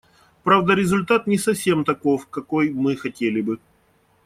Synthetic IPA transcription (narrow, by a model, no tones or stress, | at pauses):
pɾavd̪əɾʲɪzʊlʲt̪at̪nʲɪsɐfsʲe̞mt̪ɐko̞fkɐkojmɨxɐtʲelʲɪbɨ